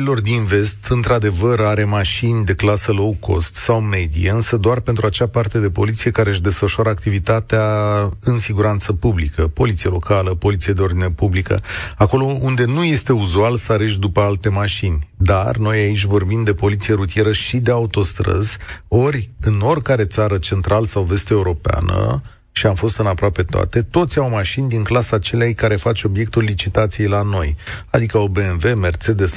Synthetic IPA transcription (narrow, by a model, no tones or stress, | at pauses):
ilo̞rd̪inve̞st̪ɨnt̪ɾad̪e̞vəɾaɾe̞maʃinʲd̪e̞klasəlo̞wko̞̰st̪sawme̞d̪ijeɨnsəd̪oarpent̪ɾuat͡ʃapart̪e̞d̪e̞po̞lit̪sije̞kaɾeɨʃ̬d̪e̞sfəʃuaɾəakt̪ivit̪at̪eaɨnsiɡuɾant̪səpublikəpo̞lit̪sijelo̞kaləpo̞lit̪sijed̪e̞o̞rd̪inepublikə̰ako̞lo̞und̪e̞nuje̞st̪e̞uzualsaɾeʃ̬d̪upəalt̪e̞maʃinʲd̪arno̞jait͡ʃʲvo̞rbimd̪e̞po̞lit̪sijeɾut̪ije̞ɾəʃid̪e̞aut̪o̞st̪ɾə̰z̥o̞ɾʲɨno̞rʲkaɾe̞t̪saɾət͡ʃe̞nt̪ɾalsawve̞st̪eeuɾo̞pea̰nə̰ | ʃiamfo̞st̪ɨnapɾoape̞t̪owa̰t̪e̞t̪o̞t̪sʲawmaʃinʲd̪iŋklasat͡ʃe̞leajkaɾe̞fat͡ʃo̞bje̞k̚t̪ulːit͡ʃit̪at̪sije̞jlano̞jad̪ikəo̞be̞enve̞me̞rse̞d̪e̞s